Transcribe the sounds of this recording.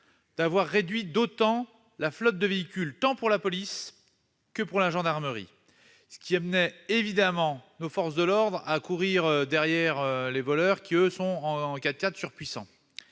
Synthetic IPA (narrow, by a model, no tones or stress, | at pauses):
d̪̥avwaʁːed̪ɥid̪ot̪ɑ̃ | laflɔt̪̚d̪əveikʲylt̪ɑ̃puʁlapɔlis | kəpuʁlaʒɑ̃d̪aʁməʁḭ | sə̥kʲiamnɛevid̪amɑ̃nofɔʁsd̪əlɔʁd̪ʁakuʁiʁød̪ɛʁjɛʁølevɔlœʁkʲiøsɔ̃ɑ̃kʲat̪̚kʲat̪syʁpɥisɑ̰̃